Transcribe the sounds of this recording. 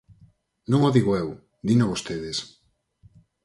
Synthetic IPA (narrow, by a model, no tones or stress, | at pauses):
nõŋoðiɣoew | d̪inaβost̪eðes